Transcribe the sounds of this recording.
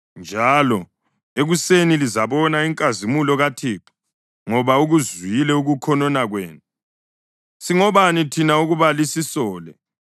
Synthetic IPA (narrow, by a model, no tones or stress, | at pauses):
nd͡ʒʱalɔ | eɣusenilizaβɔnaiŋkʼazimulɔɣatʰiːǁu̥ | ŋɔβauɣuziilɛuɣukʰɔnɔnaɣweːnu | siŋɔβanitʰinauɣuβalisisɔːlɛ̰